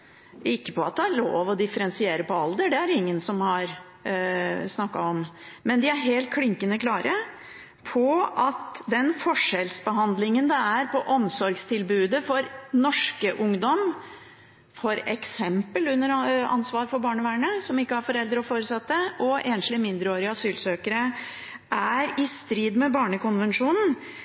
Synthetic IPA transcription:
ɪkːə̥pʰɔɑt̪̚d̪ɛæɾɭo̰ːʋɔd̪ɪfəɾɛnsɪeːɾəpɔɑld̪əɖɛæɾɪŋːənsɔmhɑɾ | snɑkːɑ̰ɔmmɛnd̪ɪæɾɦeːlt̪̚kʰlɪŋkənəkʰlɑːɾʔə | pʰɔɑt̪d̪ɛnfɔʂɛlsbəɦɑnd̪lɪŋənd̪ɛæɾpʰɔʔɔmsɔɾɡst̪ʰɪlbʉːd̪əfɔɾnɔʂkəʔʊŋd̪ɔm | fɔɾɛksɛmpəlʉnːəɾɑ̰nsʋɑːɾfɔɾbɑːɳəʋæːɳəsɔmɪkːəhæɾfɔɾɛld̪ɾəɔfoːɾəsɑt̪ːəɔʔeːnʃlɪmɪnd̪ɾəoːɾɪɑsyːlsøːkəɾə | ʔæɾɪst̪ɾiːd̪mɛbɑːɳəkʊnʋɛnʂuːnn̩

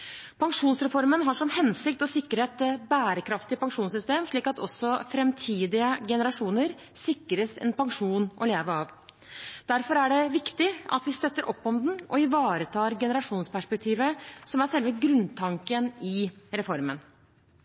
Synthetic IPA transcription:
pʰɑŋʂuːnsɾɛfɔɾmənɦɑʂɔmhɛnsɪk̚t̪ɔsɪkːəɾeːt̪bæːɾəkʰɾɑft̪ɪpɑŋʂuːnsʏst̪eːmʂɭiːkɑt̪ɔ̰sːɔfɾɛmt̪ʰiːd̪ɪəɡɛnəɾɑʂuːnəɾ | sɪkːɾəsɛ̰npɑŋʂuːnʔɔ̰leːʋəɾɑʋ | d̪̥æɾfɔɾæɖɛʋɪkt̪ɪɑ̰t̪ʋɪst̪œt̪ːəɾʔɔpːɔmd̪n̩ʔɔɪʋɑːɾət̪ʰɑːɾɡɛnəɾɑʂuːnspæʂpɛk̚t̪ʰiːʋəsɔmæɾʂɛlʋəɡɾʉnt̪ʰɑŋkənɪɾɛfɔɾmən

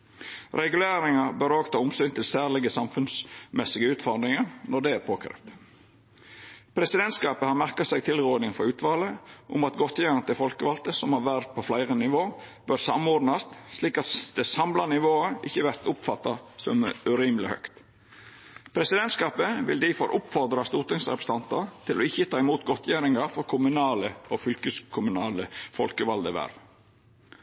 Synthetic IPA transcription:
ɾɛɡʉleːɾɪŋɑbœɾoːɡt̪ʰɑːʊmsyːnt̪ʰɪlsæːɾlɪɡəsɑmfʉnsmɛsːɪɡəʉːt̪fɔɾd̪ɾɪŋɑɾnɔd̪ɛæɾpʰoːkʰɾḛːft̪ | pʰɾɛsɪd̪ɛnt̪skɑːpəhɑɾmæɾkɑsɛɡ̚t̪ʰɪlɾuːnɪŋfɔɾʉːt̪ʋɑːləʔʊmɑt̪ɡɔt̪ːjɛnət̪ɪfɔlkəʋɑlt̪əsɔmhɑʋæɾt̪̚pʰɔflæɪʁənɪʋoːb̥œɾsɑ̰mɔɾd̪nɑst̪sliːkɑt̪d̪̥ɛsɑmlɑnɪʋoːəʔɪçːəʋæɾt̪ʊpfɑt̪ːɑsɔmʉɾiːmlɪhœ̰kt̪ | pʰɾɛsɪd̪ɛnt̪skɑːpəʋɪ̰ld̪ɪfɔɾʔʊpfɔɾd̪ɾɑst̪uːɾt̪ɪŋsɾɛpɾə̥st̪ɑnt̪ɑ̰ɾt̪ʰɪlɔɪçːət̪ʰɑːɪmuːt̪ɡɔt̪ʰjæːɾɪŋɑfɔɾkʰʊmʉnɑːləɔfʏlkəskʰʊmʉnɑːləfɔlkəʋɑld̪əʋæ̰ːɾʋ

